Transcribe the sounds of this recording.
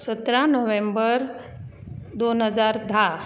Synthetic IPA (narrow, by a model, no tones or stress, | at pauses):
sət̪ɾãnɔʋẽmbəɾ | d̪oːnɦəzaːɾd̪ʱa